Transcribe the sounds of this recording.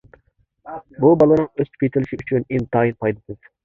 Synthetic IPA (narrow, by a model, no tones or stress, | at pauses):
bubɑlˠɨnɨŋøzt̪ʰy̥pjet̪ʰɪlɪʃiyt͡ʃʰynint̪ʰɑːjinpʰɑjd̪ɨd̪ɨz̥